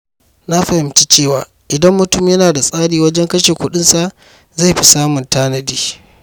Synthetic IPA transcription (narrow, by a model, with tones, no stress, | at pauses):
na˦ɸɐ˨hɪ˦mt͡ʃi˦t͡ʃeː˦˨waː˨ | ʔɪ˨dɐ˦mːʊ˨tʊ˦mjɐ˦naː˨da˨sʼaː˦ɽiː˨wɐ˦d͡ʒɛ˦ŋkɐ˦ʃeː˨kʷʊ˦ɗɪ˦nsa˨ʔ | za˦˨jɸi˦saː˦mʊ˨ntaː˦nɐ˨diː˦